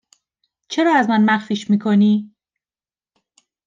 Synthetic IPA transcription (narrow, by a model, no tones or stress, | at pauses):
t͡ʃʰe̞ɾɒːæzmænmæxfiːʃmiːkʰo̞niː